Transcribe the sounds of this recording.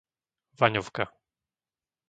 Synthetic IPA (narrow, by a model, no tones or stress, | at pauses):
vaɲɔfka